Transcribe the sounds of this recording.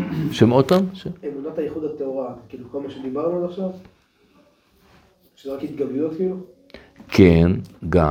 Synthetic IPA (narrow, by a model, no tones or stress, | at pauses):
ʃemod̪̚paːmʃeemunat̪ajeχud̪at̪eoʁankiːluko̞lmaʃed̪ibaʁnulaχʃav | ʃeoʁakhit̪̚ɡabot̪filu | kʰenɡa̰